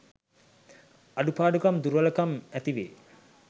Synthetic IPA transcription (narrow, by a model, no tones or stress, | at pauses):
aɖupaːɖukɐmd̪uɾʋɐləkɐmæt̪iʋḛː